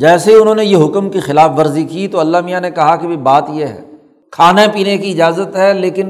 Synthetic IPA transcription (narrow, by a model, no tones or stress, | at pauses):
d͡ʒɛːseʊnɦõːnejeɦʊkmkixɪlaːfʋɐɾzikit̪oɐlːamijanekɐɦakebʱibaːt̪jeɦɛ̰ː | kʰaːnapiːnekiɪd͡ʒaːzət̪ɦɛleːkɪn